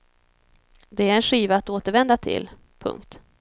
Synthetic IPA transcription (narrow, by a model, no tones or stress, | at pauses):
d̪ɛæɾɛnɧiːvaːt̪oːt̪əɾvɛnd̪at̪ʰɪ̰l | pʰɵ̰ŋkt̪